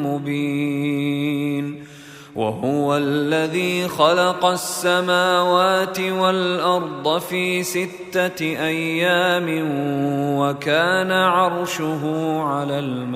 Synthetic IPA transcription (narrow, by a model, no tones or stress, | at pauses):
mʊbiː | n | wʔa̰ɦʊwalːaðiːxɑlɑqɑsːamaːwaːt̪ɪwalʔɑɾˤd̪ˤɑfiːsɪt̪ːaʔajːaːmɪ | wakaːnaʕɑɾˤʃʊɦuːʕalaːlm